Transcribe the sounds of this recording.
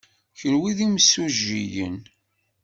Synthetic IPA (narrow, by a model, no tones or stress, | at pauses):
çənwiðimsuʒːijə̰n